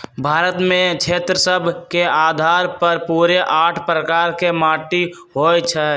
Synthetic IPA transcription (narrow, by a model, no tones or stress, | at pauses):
bʱaːɾət̪mẽkt͡ʃʰeːt̪ɾəsəbʱkeaːd̪ʱaːɾpəɾpuːɾeʔaːʈʰpɾəkaːɾkemaːʈi | ɦoːjt͡ʃʰɛ